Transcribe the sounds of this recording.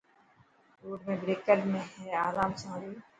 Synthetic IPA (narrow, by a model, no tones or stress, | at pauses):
oːɾmẽbɾeːkəɾmẽɦɛaːɾaːmsaːɾiː